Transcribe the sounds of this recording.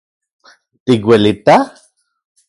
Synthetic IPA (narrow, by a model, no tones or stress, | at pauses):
t̪ikwelit̪a